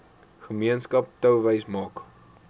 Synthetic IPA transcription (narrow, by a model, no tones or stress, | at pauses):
χəmiənskɐp̚təwvəjsmɑːk